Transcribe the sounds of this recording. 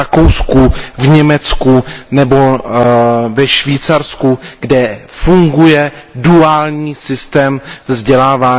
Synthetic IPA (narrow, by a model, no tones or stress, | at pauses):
akowskuvɲɛmɛt͡skunɛbo̞ | vɛʃviːt͡saɾskuɡ̥dɛfuŋɡujɛduaːlɲiːsɪst̪ɛːmvzɟɛlaːvaː